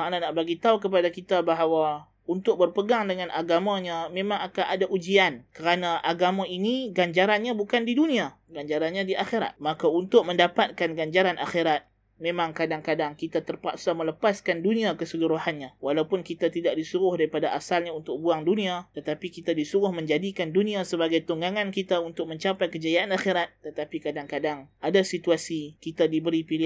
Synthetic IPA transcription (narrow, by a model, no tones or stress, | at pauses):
maʔnanaʔbaɡit̪aukəp̬adakit̪abaɦawa | unt̪ʊk̚bərpəɡaŋdəŋanʔaɡamaɲamẽmãŋakanʔadaʔud͡ʒiankəɾanaʔaɡamaʔiniɡaɲd͡ʒaɾanɲabukandidunia | ɡaɲd͡ʒaɾanɲadiʔaxeɾa̰t̪̚makaunt̪ʊk̚mə̃ndapat̪̚kanɡaɲd͡ʒaɾanʔa̰xeɾat̪̚ | memãŋkadaŋkadaŋkit̪at̪ərpa̰ksamələpaskanduniakəsəluɾuhanɲawalawpʊnkit̪at̪idaʔ̚disuɣʊhdaɾipadaʔasalɲaunt̪ʊk̚buaŋduniat̪ət̪apikit̪adisuɣʊhmə̃ɲd͡ʒadikandunĩasəbaɡajt̪uŋɡaŋankit̪aunt̪ʊk̚mə̃ɲt͡ʃapajkəd͡ʒajaʔanaxeɾat̪̚ːət̪apikadaŋkadaŋʔadasit̪uasikit̪adibəɾipilɪ